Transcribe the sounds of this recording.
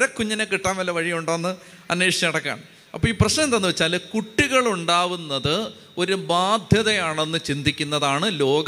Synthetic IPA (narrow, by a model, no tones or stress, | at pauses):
ɐkːuɲːɐnekːiʈːaːnʋɐlːɐʋɐɻijuɳɖaːnːɨ | ɐnːeːʂt͡ɕɐɐɽɐkːa̰ːɳɨ | ɐ̰pːoiːprɐɕnɐmt̪ɐnːɨʋɐt͡ɕːaːlkuʈːiɣɐɭuɳɖaːʋunːɐðɨ | o̞ɾubaːd̪ʱjɐðɐjaːɳe̞nːɨt͡ɕind̪ʱikʲːunːɐðaːɳɨlo̞ːɡɐ